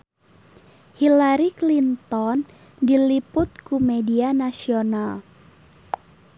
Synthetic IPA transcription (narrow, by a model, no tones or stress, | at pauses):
hilaɾiklint̪ɔn | dilipʊt̪̚kumedianasional